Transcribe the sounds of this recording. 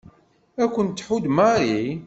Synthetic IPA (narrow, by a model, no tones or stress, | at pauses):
ækʷːənt̪ːħud̪maɾi